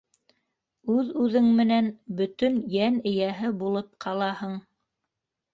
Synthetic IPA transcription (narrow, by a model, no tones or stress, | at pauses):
ʉðʉðɘŋmɘ̆nænbɵ̆t̪ɵnjænɘ̆jæɦɘbulˠɤp̚qʰɑlˠɑhɤɴ